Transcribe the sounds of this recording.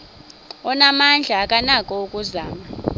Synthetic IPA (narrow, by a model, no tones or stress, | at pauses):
ɔnamand͡ɮʱaːkʼanakʼɔukʼuzaːma